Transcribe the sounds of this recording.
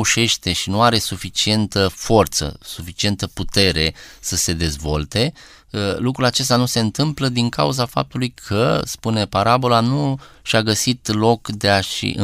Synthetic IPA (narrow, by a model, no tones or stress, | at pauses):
uʃe̞ʃt̪e̞ʃinuaɾe̞sufit͡ʃie̞nt̪əfo̞rt̪sə̰sufit͡ʃie̞nt̪əput̪e̞ɾe̞səse̞d̪e̞zvo̞lt̪e̞ | lukɾulat͡ʃe̞st̪anuse̞ɨnt̪ɨmpləd̪iŋka̰uzafa̰p̚t̪ulujkʰəspune̞paɾabo̞lanu | ʃaɡəsit̪lo̞kd̪eaʃḭʔɨ